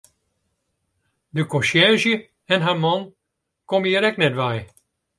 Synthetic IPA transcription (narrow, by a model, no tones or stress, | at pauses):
dəkɔ̃ʃjɛzjə | ɛnɦaɹmɑn | komjiɾɛknɛtʋɛj